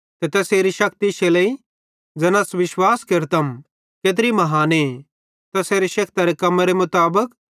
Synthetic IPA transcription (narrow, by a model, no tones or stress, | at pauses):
t̪ɛt̪ɛːseːɾiʃɐk̚t̪iʃelɐi | d͡ʒɐnasʋɪʃwaːskɪɾt̪ɐm | keːt̪̬ɾimɐɦaːne | t̪ɐseːɾeʃɐk̚t̪aɾekɐmɾemʊt̪aːbək